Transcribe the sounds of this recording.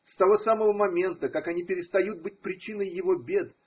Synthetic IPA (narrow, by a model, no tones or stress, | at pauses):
st̪ɐvo̞saməvəmɐmʲe̞nt̪əkakɐnʲipʲɪɾʲɪst̪ɐjut̪̚bɨt̚ʲpɾʲɪt͡ɕinəjːɪvo̞bʲe̞d̪